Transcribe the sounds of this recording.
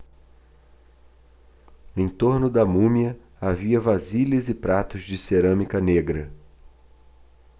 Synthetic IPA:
ẽj̃t̪oɾnʊd̪ɐmũmiɐ | aviɐvaziʎɐzɪpɾat̪ʊzd͡ʒɪseɾɐ̃mikɐneɡɾɐ

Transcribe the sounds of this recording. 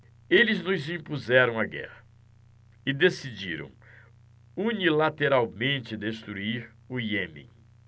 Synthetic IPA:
elɪznʊzĩpuzɛɾɐ̃w̃aɡɛ̰hɐ | ɪd̪esid͡ʒiɾɐ̰̃w̃ | unilat̪eɾawmẽnt͡ʃɪd̪est̪ɾuiɾ | ʊjẽmḭ̃

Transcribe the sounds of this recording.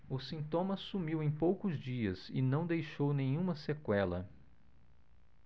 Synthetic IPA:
ʊsĩnt̪õmɐsumiwẽj̃powkʊzd͡ʒiɐzɪnɐ̃w̃d̪ejʃownẽj̃ũmɐsekwɛlɐ̰

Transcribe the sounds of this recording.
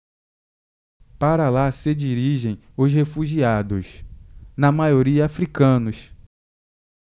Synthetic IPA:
paɾɐlased͡ʒiɾiʒẽj̃ | ʊs̬hefuʒiad̪ʊsnɐmajoɾiɐafɾikɐ̃nʊs

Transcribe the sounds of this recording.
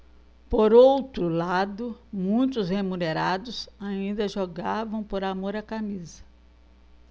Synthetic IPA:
poɾowt̪ɾʊlad̪ʊmũj̃t̪ʊshemuneɾad̪ʊsaĩnd̪ɐʒoɡavɐ̃w̃poɾamoɾɐkamizɐ

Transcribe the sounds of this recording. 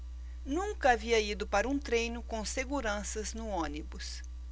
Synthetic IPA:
nũŋkɐaviɐid̪ʊpaɾɐũt̪ɾejnʊkõseɡuɾɐ̃sɐznʊõnibʊs

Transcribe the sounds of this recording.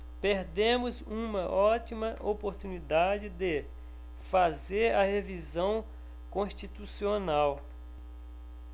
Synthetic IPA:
peɾd̪ẽmʊzũmɐʔɔt̪imɐʔopoɾt̪unid̪ad͡ʒɪd̪e | fazeɾɐhevizɐ̃w̃ | kõʃt͡ʃit̪usionaw

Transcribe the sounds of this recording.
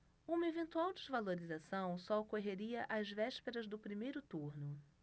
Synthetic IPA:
ũmɐevẽnt̪uawd͡ʒɪzvaloɾizasɐ̃w̃sɔokoɦeɾiɐʔazvɛʃpeɾɐzd̪ʊpɾimejɾʊt̪uɾnʊ

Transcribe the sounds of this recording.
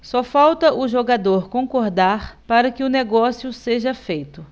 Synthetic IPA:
sɔfawt̪ɐʔʊʒoɡad̪oɾkõkoɾd̪aɾpaɾɐkɪʊneɡɔsiʊseʒɐfejt̪ʊ

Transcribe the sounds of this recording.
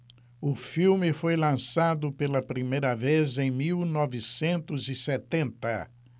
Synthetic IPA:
ʊfiwmɪfojlɐ̃sad̪ʊpelɐpɾimejɾɐvezẽj̃miwnɔvɪsẽnt̪ʊzɪset̪ẽnt̪ɐ̰

